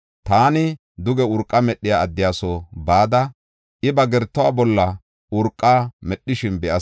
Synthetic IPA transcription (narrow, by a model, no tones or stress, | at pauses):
t̪aːnɪ | d̪ʊɡɛʊɾkʼːɐmɛɗːɪjaːɐd̪ːɪjaːsɔbaːd̪ɐ | ʔɪbɐɡɛɾt̪ːɔwaːbɔlːɐ | ʔʊɾkʼːaːmɛɗːɪʃɪnbɛʔɐ